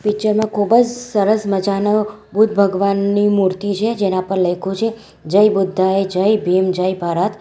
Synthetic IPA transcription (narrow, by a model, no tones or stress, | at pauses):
pit͡ʃəɾmãkʰubəd͡ʒsəɾəsməd͡ʒanə | bʱut̪̚bʱəɡʋanːimuɾt̪it͡ʃʰed͡ʒenapəɾləjkʰut͡ʃʰe | d͡ʒəjbʊd̪ʱːaed͡ʒəjbʱemd͡ʒəjbʱaɾət̪